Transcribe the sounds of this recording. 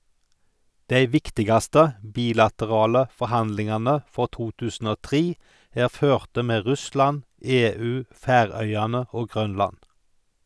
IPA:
ˈdæɪ ˈʋɪktɪɡɑstə ˈbiːlɑtəˌʁɑːlə fɔʁˈhɑndlɪŋɑnə ˈfɔʁ ˈtuː ˈtʉːsn̩ ˈoː ˈtʁiː ˈæːʁ ˈføːʁtə ˈmeː ˈʁʉslɑn ˈeːˌʉː ˈfæːˌʁœʏɑnə ˈoː ˈɡʁœnlɑn

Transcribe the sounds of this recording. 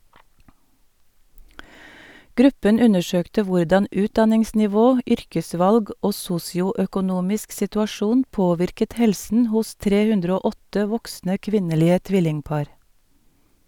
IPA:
ˈɡɾʉpən ˈʉnəˌʃøːktə ˈʋʊɖɑn ˈʉːtdɑnɪŋsnɪˌʋoː ˈʏɾkəˌsʋɑlɡ ˈoː ˈsuːsɪʊœkʊˌnuːmɪsk sɪtʉɑˈʃuːn ˈpoːʋɪɾkət ˈhɛlsən ˈhʊs ˈtɾeː ˈhʉndɾə ˈoː ˈɔtə ˈʋɔksnə ˈkʋɪnəˌliːə ˈtʋɪlɪŋˌpɑːɾ

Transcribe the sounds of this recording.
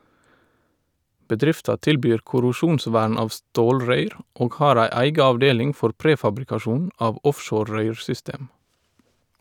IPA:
bəˈdɾɪftɑ ˈtɪlˌbyːɹ kʊɾʊˈʃuːnˌsʋæːɳ ˈɑːʋ ˈstoːlɹœʏɾ ˈʔoːɡ ˈhɑːɾ ˈæɪ ˈæɪɡɑ ɑʋˈdeːlɪŋ ˈfɔɾ ˈpɾeːfɑbɾɪkɑˌʃuːn ˈɑːʋ ˈɔfʃoːɾ ˈɹœʏɹsʏˌsteːm

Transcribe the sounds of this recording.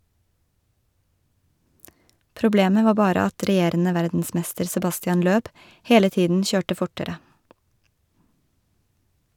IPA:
pɾʊˈbleːmə ˈʋɑː ˈbɑːɾə ˈɑt ɾɛˈjeːɾənə ˈʋæɾdn̩ˌsmɛstəɾ sɛˈbɑstɪɑn ˈløːb ˈheːlə ˈtiːdn̩ ˈçøːʈə ˈfʊʈəɾə

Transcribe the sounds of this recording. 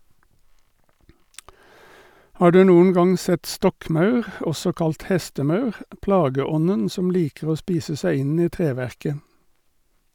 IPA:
ˈhɑː ˈɖʉː ˈnuːən ˈɡɑŋ ˈsɛt ˈstɔkˌmɑʉʁ ˈɔsɔ ˈkɑlt ˈhɛstəˌmɑʉʁ ˈplɑːɡəˌɔnən ˈsɔm ˈliːkəʁ ˈoː ˈspiːsə ˈsæɪ ˈɪn ˈiː ˈtʁeːˌʋæʁkə

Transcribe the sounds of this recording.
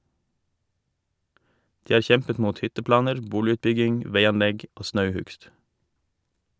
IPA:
ˈdiː ˈɑːɾ ˈçɛmpət ˈmuːt ˈhʏtəˌplɑːnəɾ ˈbuːlɪʉːtˌbʏɡɪŋ ˈʋeɪɑnˌlɛɡ ˈoː ˈsnɑʉˌhʉɡst

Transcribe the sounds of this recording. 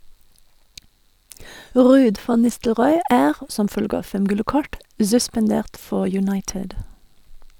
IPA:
ˈʁʉːd ˈfɑn ˈnɪstəlʁɔʏ ˈʔæːʁ ə ˈsɔm ˈfœlɡə ˈɑː ˈfɛm ˈɡʉlə ˈkɔʈ zʉspɑnˈdeːʁt ˈfɔ jʉˈnɑɪʈɪd

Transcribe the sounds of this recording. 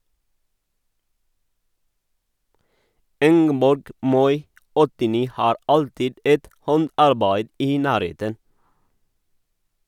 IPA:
ˈɪŋɡəbɔɾɡ ˈmɔʏ ɔtɪˈniː ˈhɑːɾ ˈɑltɪd ˈɛt ˈhɔndɑɾˌbæɪd ˈiː ˈnæːɾˌheːtən

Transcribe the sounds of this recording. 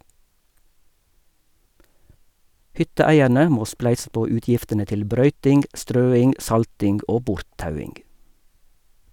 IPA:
ˈhʏtəˌæɪæɾnə ˈmoː ˈsplæɪsə ˈpoː ˈʉːtjɪftənə ˈtɪl ˈbɾœʏtɪŋɡ ˈʔstɾøːɪŋ ˈʔsɑltɪŋɡ ˈoː ˈbʊɾtˌtɑʉɪŋɡ

